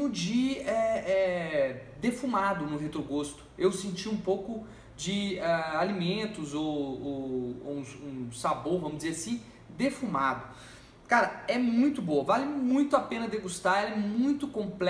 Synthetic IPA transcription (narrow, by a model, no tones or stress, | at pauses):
ʊ̃d͡ʒɪɛɛ | d̪efumad̪ʊnʊɦet̪ɾoɡost̪ʊ̥ewsẽnt͡ʃiũpowkʊ | d͡ʒɪɛalimẽnt̪ʊzowo̰ũsũsaboɾvɐ̃mʊd͡ʒɪzeɾasĩ | d̪efumad̪ʊ | kaɾɐɛmũj̃t̪ʊbowɐvalɪmũj̃t̪ʊapẽnɐd̪eɡust̪aɛlɛmũj̃t̪ʊkõplɛ